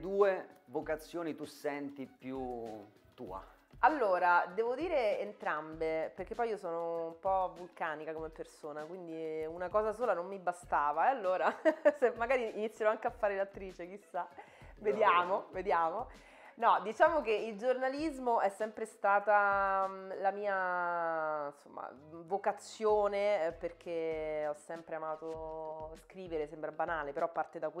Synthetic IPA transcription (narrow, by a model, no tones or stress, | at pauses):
d̪uːevokat̪sːjoːnit̪usɛnt̪ipju | t̪ːṵːa̰ | alːoːɾad̪ɛːvod̪iːɾeːnt̪ɾambeperk̟epːɔjiːosɔːnoumpɔvulkaːnikakomepːersoːnakwind̪iunakɔːzasoːlanomːibast̪aːvaɛalːoːɾasemːaɡaːɾiːnit̪sːjaɾɔaŋkeafːaːɾelat̪ːɾiːt͡ʃek̟isːa | ved̪jaːmoved̪jaːmo | nɔd̪it͡ʃaːmokeild͡ʒornalizmoɛsːɛmpɾest̪aːt̪a | lamiːa | nsomːa̰vokat̪sːjoːneperk̟ʰeɔsːɛmpɾeamaːt̪oskɾiːveɾesɛmpɾabanaːlepeɾɔpːart̪ed̪akw